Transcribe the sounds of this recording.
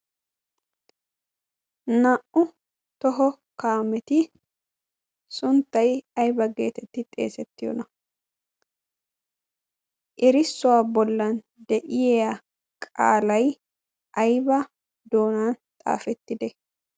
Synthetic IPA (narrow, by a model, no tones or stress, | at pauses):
nɐʔʊ | t̪ɔɦɔ | kaːmɛt̪ɪ | sʊnt̪ːɐjɐjbɐɡeːt̪ɛt̪ːɪt̪ʼe̞̰ːsɛt̪ːɪjɔ̰nɐ | ʔɪɾɪsːʊwaːbɔlːɐn | d̪ɛʔɪjeːjɐ | kʼa̰ːlɐj | ʔɐjbɐ | d̪oːnaːnt̪ʼa̰ːfɛt̪ːɪd̪ɛ